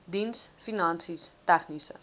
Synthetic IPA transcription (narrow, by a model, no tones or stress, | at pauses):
d̪insfinãnsist̪akʰnisə̰